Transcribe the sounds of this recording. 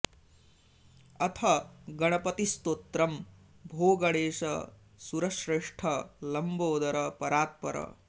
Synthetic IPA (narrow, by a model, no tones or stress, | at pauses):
ɐt̪ʰɐɡɐɽ̃ɐpɐt̪ist̪oːt̪ɾɐm | bʱoːɡɐɽeːsɐ̰ | suɾɐʃɾeʂʈʰɐlɐmboːd̪ɐɾɐpɐɾaːt̪̚pɐɾɐ̰